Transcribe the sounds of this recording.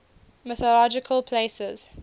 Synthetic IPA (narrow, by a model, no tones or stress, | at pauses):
mɛθɔlɔd͡ʒɪkʰəlpʰlesəz̥